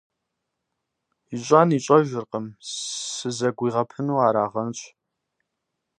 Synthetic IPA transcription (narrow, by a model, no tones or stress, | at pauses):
iɕʷʼaːniːɕʷʼɐʒʷɪrqəmsɨzɐɡʷiːʁɐpʰɨnuːaːɾaːʁɐnt͡ʃʷʼ